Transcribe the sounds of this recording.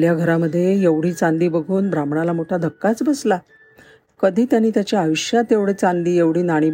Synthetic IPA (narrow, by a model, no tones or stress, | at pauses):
ljaɡʱəɾaməd̪ʱːjejeʋɽ̤iːt͡sãnd̪iːbəɡʱuːnbɾamɳalamoʈʰad̪ʱəkːat͡sbəsla | kəd̪ʱiːt̪janiːt̪jat͡ɕjaːʋiɕjat̪eʋɽet͡sãnd̪iːjeʋɽ̤iːnaɽ̃iː